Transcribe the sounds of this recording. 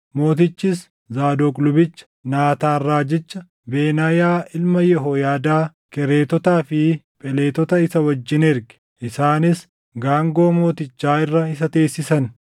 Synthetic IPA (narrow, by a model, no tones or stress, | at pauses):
mo̞ːt̪ɪt͡ʃːɪs | zaːd̪okʼlʊbɪt͡ʃːɐ̥naːt̪aːrːaːd͡ʒɛt͡ʃːɐ | beːnajaːʔɪlmɐjɛɦoːjaːd̪aː | kɛɾe̞ːt̪ɔt̪aːfɪpʼɛle̞ːt̪ɔt̪ɐɪsɐwɐd͡ʒːɪnɛɾɡɛ̥ | ʔɪsaːnɪs | ɡaːŋɡo̞ːmo̞ːt̪ɪt͡ʃːaːɪrːɐɪsɐt̪e̞ːsːɪsɐn